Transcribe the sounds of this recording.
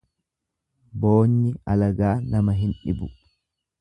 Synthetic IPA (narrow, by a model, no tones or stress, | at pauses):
boːɲːɪɐlɐɡaːnɐmɐɦɪnᶑɪ̰bʊ